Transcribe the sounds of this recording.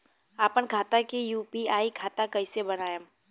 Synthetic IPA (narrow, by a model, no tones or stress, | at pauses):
aːpənkʰaːt̪akijuːpiaːikʰaːt̪akɐisebɐnaːja